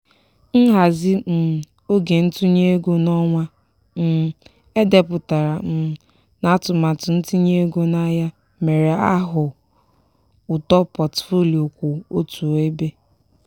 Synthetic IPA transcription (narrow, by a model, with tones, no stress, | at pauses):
n̩˦ɦa˨zɪ˦m̩˨ | o˦ɡe˨n̩˦tu˦ɲe˦ɡo˦nɔ˦ŋʷa˦ | m̩˨˦ | e˦de˨pʊ˨ta˨ɾa˨m̩˨ | na˦tʊ˨ma˨tʊ˨n̩˦tu˦ɲe˦ɡo˦na˦ja˦ | me˨ɾe˨a˦ɦʊ˨ | ʊ˨tɔ˦pɔ˨tfo˦li˨o˨kʷo˨o˦tu˨e˦be˦